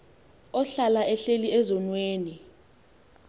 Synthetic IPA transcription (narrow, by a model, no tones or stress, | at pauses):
ɔɬalaʔɛɬeliɛzɔnweːni